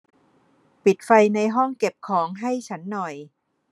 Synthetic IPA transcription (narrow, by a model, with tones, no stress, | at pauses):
pi˨˩t̪̚fa˧jna˧jɦɔ˥˩ŋke˨˩p̚kʰɔː˩˦ŋɦa˥˩jt͡ɕʰa˦˥nːɔ˨˩j